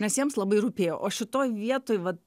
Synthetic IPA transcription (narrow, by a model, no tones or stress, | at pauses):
nʲɛsjiɛmslˠɐbɐɪɾʊpʲeːjo̰ːʔoːʃʲɪt̪oːjʋʲiɛt̪oːjʋɐt̪